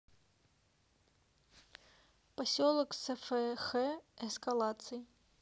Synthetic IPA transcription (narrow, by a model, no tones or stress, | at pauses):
pasʲɔlˠɐksɛfɛxɛɛskalˠat̪sɨji